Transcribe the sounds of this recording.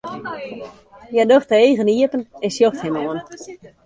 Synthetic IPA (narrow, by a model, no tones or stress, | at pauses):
jɛdoxtəeːɣəniəpənɛnsjoxthɛmoən